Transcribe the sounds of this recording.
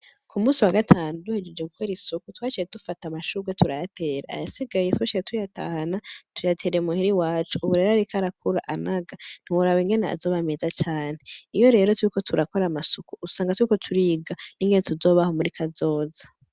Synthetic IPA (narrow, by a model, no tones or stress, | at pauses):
kʰumuːsiwaɡatʰaːnuduhed͡ʒed͡ʒeɡukʰweɾisukutwaːt͡ʃijetufatamaʃuːɡetʰuɾajatʰe̞ːɾaa̰jasiɡajetwaːt͡ʃijetʰujata̰hanatʰujatʰe̞ːɾeemuhiɾiwaːt͡ʃuʔːβuɾe̞ːɾoaɾikʰaɾak̚uɾa̰ʔanaɡan̥iwuɾaweŋɡe̞nea̰zo̞ːβame̞zat͡ʃaːn̥heijo̞ɾe̞ːɾotwuɾiko̞tʰuɾako̞ɾamasukuusaːŋɡatwuɾikotʰuɾiɡaniːŋɡe̞netuzo̞ːβahomuɾikʰazo̞ːza